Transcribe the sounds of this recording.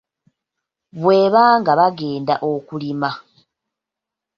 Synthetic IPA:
βwe̞ːβaːŋɡaβaɡe̞ːndaʔo̞kulima

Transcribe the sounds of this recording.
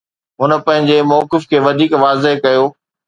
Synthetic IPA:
ɦʊnə̆pɐ̃ɦɪ̃ɲd͡ʑemɔːkɪfkʰeːʋɐd̪ʱiːkʋaːzeɦkɐjoː

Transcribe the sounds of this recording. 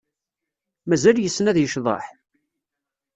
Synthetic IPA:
mæzæljəsːnæðjəʃðˤɑ̰ħ

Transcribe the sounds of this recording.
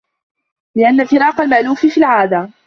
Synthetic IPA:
lɪʔanːafɪɾɑːqɑlmaʔluːffiːlʕaːd̪a

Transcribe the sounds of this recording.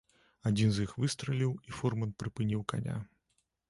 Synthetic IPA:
ad͡zʲinzjixvɨst̪ɾɐlʲiwifɔrmɐnpɾɨpɨnʲiwka̰nʲa̰

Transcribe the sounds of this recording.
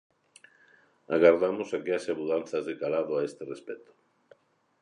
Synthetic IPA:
aɣaɾðamosakeaʃamuðanθazðekalaðoaest̪erespɛt̪o̥

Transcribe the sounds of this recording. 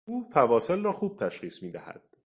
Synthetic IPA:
uːfævɒːse̞lrɒːxuːb̥̚t̪ʰæʃχiːsmiːd̪æhæ̰d̪̥

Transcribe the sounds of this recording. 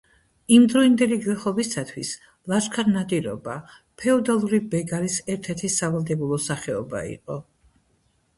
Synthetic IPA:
imd̪ɾɔind̪ɛliɡlɛχɔbisat̪ʰwḭs | lˠaʃkʰaɾnad̪iɾɔ̰ba | pʰɛɔd̪alˠuɾibɛɡaɾisɛɾt̪ʰɛɾt̪ʰisavalˠd̪ɛbulˠɔsaχɛɔ̰ba̰ḭqʼɔ

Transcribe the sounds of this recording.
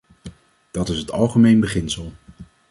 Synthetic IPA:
d̥ɑtɪsɦətɑ̰lˠχəmejnbəχɪnsəlˠ

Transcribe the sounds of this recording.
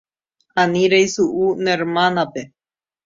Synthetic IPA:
aniɾejsuʔuneɾmanape

